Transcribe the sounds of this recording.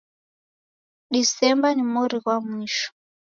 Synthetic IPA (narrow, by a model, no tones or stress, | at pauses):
ɗisɛmbanimɔɾikwamwiːʃɔ̥